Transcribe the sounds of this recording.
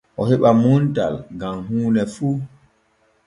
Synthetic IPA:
ʔɔhɛɓamuntalɡamɦuːnɛfuː

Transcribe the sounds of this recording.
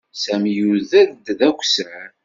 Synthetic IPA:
sæmjuðæðd̪ðækʷːsæ

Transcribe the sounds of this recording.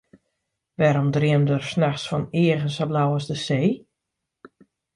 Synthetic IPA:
ʋɛɾɔmdriəmdərsnaxsfɔnɪːəɣənsablawəsdəseː

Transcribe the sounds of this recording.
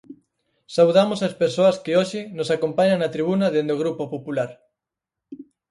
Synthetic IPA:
sawðamosaspeɾsoɐskɪoʃɪnosakompaɲaŋnɐt̪ɾiβ̞unɐðend̪oɣ̞ɾupopopulaɾ

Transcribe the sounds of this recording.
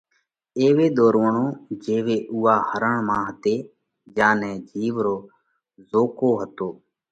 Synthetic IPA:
eːʋeːɗ̪oːɾʋəɳoːd͡ʒeːʋeːʔuːaːhəɾəɳmãːɦət̪eː | d͡ʒãːnɛ̃ːd͡ʒʱiːʋɾoː | zoːkoːɦət̪oː

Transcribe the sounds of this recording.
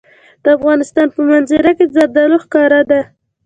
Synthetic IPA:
d̪̥əafɣɑnɪst̪ɑnpəmanzɪɾakezaɾd̪aloxkɑɾad̪a

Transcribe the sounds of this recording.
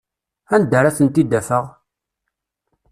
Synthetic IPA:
ænd̪ːəɾaθənt̪id̪ːæfəʁ

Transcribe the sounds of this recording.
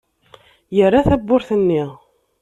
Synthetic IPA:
jərːaθæbːʊɾθənːi

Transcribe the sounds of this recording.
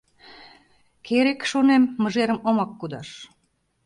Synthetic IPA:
keɾekʃonemːə̆ʒeɾə̆momɑkːud̪ɑʃ

